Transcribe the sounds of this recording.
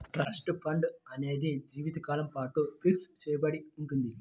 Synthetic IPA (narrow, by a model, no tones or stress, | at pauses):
ʈɾaːsʈɨfʰɐɳɖɐneːd̪ed͡ʒiːʋid̪ɐkaːlɐmpaːʈːupiʈst͡ɕejbɐɽiuŋɡund̪ili